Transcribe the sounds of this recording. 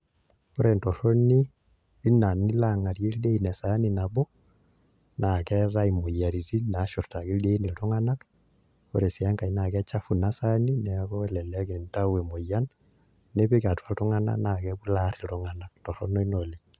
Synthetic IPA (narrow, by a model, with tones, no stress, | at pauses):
ɔ˦ɾɛ˨ntɔ˨ɾo˦niː˦ | na˨ni˦la˦ŋa˨ɾje˦lde˦i˨nɛ˨sa˨˦ni˨na˨bɔ˦ | na˨kɛ˦ɾa˦i˨mo˨ja˨ɾi˨ti˦na˨˦ʃɔ˨rta˨ki˦lde˦i˦ni˨ltɔ˦ŋa˦na˦k | ɔ˦ɾɛ˨si˨a˦ŋka˨i˦na˨kɛ˦t͡ʃa˦fu˨na˦sa˦ni˦nɛ˨akɔ˦ɛ˦lɛ˨lɛ˦ki˨n˨n˦ta˦wɛ˨mo˨ja˦n | nɛ˦pi˦ka˨twa˦ltɔ˦ŋa˦na̰˦na˨kɛ˦bu˦la˦ɾi˨tɔ˦ŋa˨nak̚tɔ˨ɾɔ˦nɔ˦i˦no˨li˦